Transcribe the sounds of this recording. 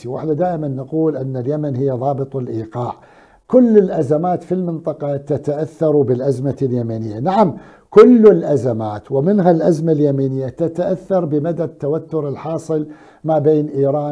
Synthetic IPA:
iwʔɪ̰ħnad̪aːʔɪmanːaquːlʔanːaljamanɦɪjːaðˤɑːbɨt̪ˤɪlʔiːqɑːʕ | kʊlːɪlʔazamaːt̪filmɨnt̪ˤɑqɑt̪at̪aʔaθːɑɾˤbɪlʔazmaljamanɪjːanaʕam | kʊlːɪlʔazamaːt̪wɪmɪnɦalʔazmaljamiːnɪjːat̪at̪aʔaθːɑɾˤbɪmad̪at̪ːawat̪ːʊɾɪlħɑːsˤɨl | maʕbeːnʔiːɾɑː

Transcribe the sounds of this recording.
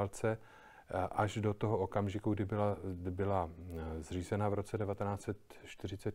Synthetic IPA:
lt͡sɛ | ʔaʒdo̞t̪oɦookamʒɪkuɡdɪbɪlabɪlazr̝iːzɛnavɾo̞t͡sɛdɛvat̪ɛnaːt͡sɛt̪ʃt̪ɪr̝ɪt͡sɛt̪

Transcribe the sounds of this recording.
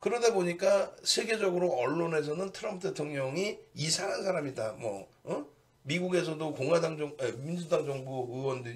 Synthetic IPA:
kɯɾʌdeboɲik͈asʰe̞ɡe̞d͡ʑʌɡɯɾoʌɭːone̞s̬ʰʌnɯntʰɯɾʌmpʰude̞tʰoŋɲʌŋiisʰaŋɦansʰaɾamidamwʌ̰ | miɡuɡe̞s̬ʰʌdokoŋwadaŋd͡ʑʌŋemind͡ʑudaŋd͡ʑʌŋbuɯwʌndɯ

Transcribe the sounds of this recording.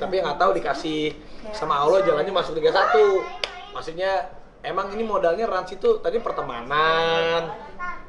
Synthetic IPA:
t̪apiŋat̪audikasɪ | samalod͡ʒalanɲamasʊk̚diɡasat̪u | maksukɲa | emaŋinimodalɲaransit̪ut̪adipərt̪əma̰nan

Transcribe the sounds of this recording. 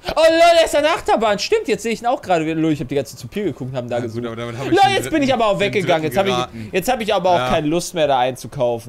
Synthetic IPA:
ʔolɔlɛsanʔaχtɐbaːnʃtɪmtjɛt͡stz̥eːəɪçiːnaʊxɡ̥ʁaːɾəviɐloːɪçhaːbədiːɡant͡sn̩t͡supʰiːɐɡəkʰʊk̚thaːm̩n̩daːɡəzuːlɔjɛt͡st͡sb̥ɪnɪçʔaːbɐaʊxv̥ɛk̚ɡ̥əɡaŋənjɛt͡sthaːbɪjɛt͡sthaːbəɪçʔaːbɐaʊxkʰaɪnəlʊstmeːɐɾaːʔaɪnt͡sukʰaʊfn̩

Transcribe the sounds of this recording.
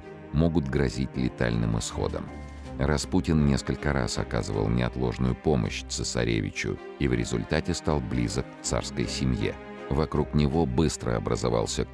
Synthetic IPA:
mo̞ɡʊt̪ɡɾɐzʲitʲlʲɪt̪alʲnɨmɨsxo̞̰d̪ə̰m | rɐsputʲɪnnʲe̞skəlʲkəɾa̰sɐkazɨvə̰lˠnʲɪɐt̪lˠo̞ʐnʊjʊpo̞mə̰ɕt̪səsɐ̰ɾʲevʲɪt͡ɕʊ̰ | ivɾʲɪzʊlʲt̪atʲɪst̪alˠblʲizəkːt̪sa̰rskəjsʲɪmje̞̰ | vɐkɾuknʲɪvo̞bɨst̪ɾəɐbɾəzavalˠsʲə

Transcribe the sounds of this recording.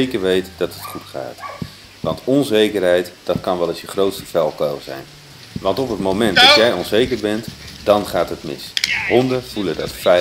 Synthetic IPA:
ejkəɹʋejtdɑtətχutχa̰ːt | ʋɑntɔnzejkərɦɛjtd̥ɑtkɑnʋɛlˠɪsjəχrowtstəfɛlˠkowzɛ̰jn | ʋɑntɔpɦətmowmɛnt̚dɑtjɛjɔnzejkəɹbɛntdɑnχaːtɦətmɪ̰sɦɔndəv̥ulədɑ̰tfɛ

